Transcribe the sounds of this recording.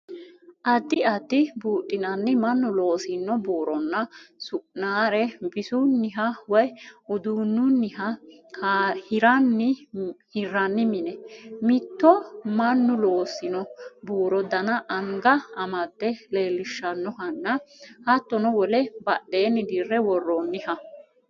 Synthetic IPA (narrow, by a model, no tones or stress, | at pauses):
ʔɐd̪ːɪɐd̪ːɪbuːtʼːɪnɐnːɪmɐnːʊlo̞ːsɪnːɔbuːɾɔnːɐsʊʔnaːɾɛbɪsunːɪɦɐwɔjʊd̪uːnːʊnːɪɦɐ | hɪɾɐnːɪhɪrːɐnːɪmɪnɛmɪt̪ːɔmɐnːʊlo̞ːsɪnɔbuːɾɔd̪ɐnɐʔɐŋɡɐɐmɐd̪ːɛle̞ːlːɪʃːɐnːɔhɐnːɐhɐt̪ːɔnɔwɔlɛbɐɗeːnːɪd̪irːɛwɔrːɔnːɪhɐ